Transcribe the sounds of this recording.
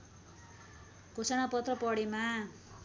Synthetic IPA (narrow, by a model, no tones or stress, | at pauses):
kosanapʌt̪rʌpʌɽema